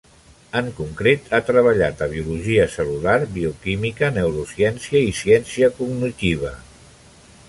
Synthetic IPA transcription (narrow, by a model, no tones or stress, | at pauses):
əŋkuŋkɾet̪ʰat̪ɾəβəʎat̪əβ̞iuluʒiəsəlulaɾbiukimikənəuɾusjɛnsiəisiɛnsiəkuɡnit̪iβ̞ə